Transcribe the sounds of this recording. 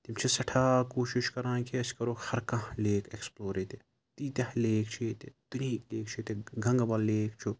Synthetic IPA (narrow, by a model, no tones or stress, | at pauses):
t̪imt͡ʃʰisɐʈʰaːkoːʃiʃkɐɾãːkʰiɐskɐɾohɐɾkɐ̃ɦleːkʰeksploːɾeːt̪e | t̪iːt̪ʲɐhleːkʰt͡ʃʰet̪et̪uniːkleːk̚ʰt͡ʃʰit̪eɡʱɐ̃ŋɡɐbɐlleːkt͡ʃʰu